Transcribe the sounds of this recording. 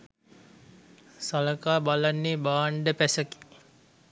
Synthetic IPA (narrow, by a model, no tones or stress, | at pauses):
saləkaːbalanːeːbaːɳɖəpæsəki̥